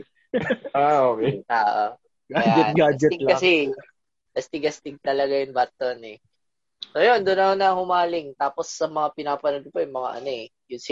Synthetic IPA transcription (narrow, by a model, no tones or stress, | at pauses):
ʔaoːkɛʔaːʔo | ɡad͡ʒaɛt̪ɡaːd͡ʒɛɪlkɐsɛ | ɡɐst̪ɪɡɐst̪ɪɡ̚t̪ɐlɐɡajʊŋbat̪onɛ | sojond̪ʊnɐhonɐhʊmaːlɪŋt̪aːposːɐmɐŋapɪnaːpɐnod̪̚pojʊŋmɐŋa̰ʔɐ̰noɛjʊns